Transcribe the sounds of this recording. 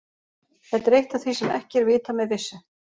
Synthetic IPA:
θɛt̪ɾejht̪aθvisɛmɛ̰hcɪɛɾvɪːt̪amɛðvɪsːɪ

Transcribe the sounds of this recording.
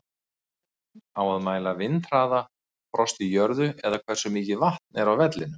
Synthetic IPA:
awaðmaːjlavɪnt̪ɾ̥aːða | pɾɔst̪ijœɾðʏɛðakʰvɛr̥sʏmiːcɪvaht̪nɛɾawvɛt̪lɪnʏ

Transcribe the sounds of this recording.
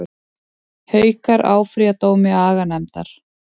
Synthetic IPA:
hœːɥkaɾa̰ːwfɾiat̪oːwmɪaːɣanɛmt̪a̰ɾ̥

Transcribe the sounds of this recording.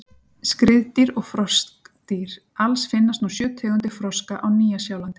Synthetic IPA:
skɾɪðt̪iɾɔɣfɾɔst̪iɾ | alsfɪnːast̪nusjœːt̪ʰɛːɣʏnt̪ɪfɾɔskaʔawniːjasjaːwlant̪ɪ̥

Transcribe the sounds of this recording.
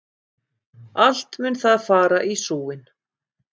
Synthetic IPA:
al̥t̪mʏnθaðfaːɾaʔisuːwɪn

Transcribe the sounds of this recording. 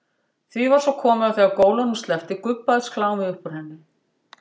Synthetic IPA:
θvivaɾ̥sɔwkʰɔːmʏawθɛaðkoːwlanʏmst̪lɛft̪ɪkʏpːaððskʰlaːwmɪʏhpɔɾ̥hɛnːɪ

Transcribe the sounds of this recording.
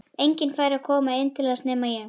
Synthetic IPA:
ejɲcɪnfaːjɾɪakʰɔːmaɪnt̪ʰɪlaast̪nɛːmajɛ

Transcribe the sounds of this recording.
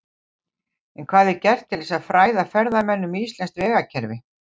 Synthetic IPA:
ɛnkʰv̥aːðɪɾcɛr̥t̪ʰːɪlɛsaðfɾaːjðafɛɾðamɛnːʏmiːst̪lɛnst̪vɛːɣacʰɛɾvɪ

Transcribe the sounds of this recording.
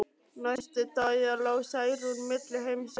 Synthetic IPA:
najst̪ɪt̪ajalawsajɾunmɪt̪lɪhejms

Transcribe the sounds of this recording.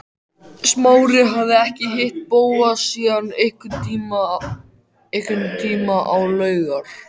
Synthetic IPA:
smaːwɾɪɦavðɪɛhcɪɦɪht̪̚poːwaðsiːðanehkʏːma | ehkʏnt̪ʰiːmaʔawlœːɥɣaɾ̥

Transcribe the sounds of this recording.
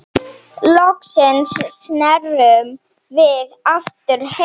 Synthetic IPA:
lɔksɪnssnɛrʏm | vɪðaft̪ʏɾ̥h

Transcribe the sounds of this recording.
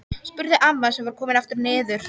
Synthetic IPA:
spʏɾðɪʔamːasɛmvaɾ̥kʰɔːmɪnaft̪ʏɾnɪːðʏɾ̥

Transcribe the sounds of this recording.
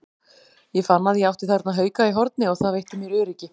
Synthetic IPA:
jɛfanːaðjawht̪ɪθaɾt̪naɦœːɥkaiɦɔɾt̪̚nɪɔɣθaðvejht̪ɪmjɛɾʏːɾɛcːɪ

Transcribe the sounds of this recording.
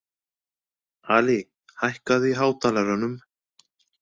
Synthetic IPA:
aːli | hajhkaðiɦaːwt̪ʰaːlaɾanʏm

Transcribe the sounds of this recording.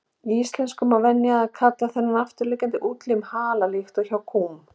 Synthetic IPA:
iist̪lɛnskʏmawvɛnːjaakʰat̪laθɛnːanaft̪ʏɾlɪkcant̪ɪʔuːt̪lɪmhaːlalixt̪ɔɣçawkʰuːm

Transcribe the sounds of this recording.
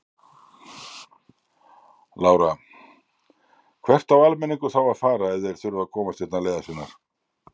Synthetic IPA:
laːwɾa | kʰvɛr̥t̪awalmɛniŋkʏθawaðfaːɾaɛvðɛɾ̥θʏɾʏvakʰɔːmast̪jɛt̪naleːjðasɪnaɾ̥

